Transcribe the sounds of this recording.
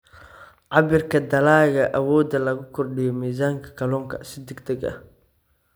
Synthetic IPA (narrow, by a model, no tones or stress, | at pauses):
ʕɑβɪrkʰɐd̪ɐlaːɣɐʔɐwɔːd̪ɐlɐɣʊkʰɔrɖɪjɔmiːzaːŋkʰɐ̥kʰɐlɔːŋkʰɐ̰sɪd̪ɛɡd̪ɐɡɐ̰h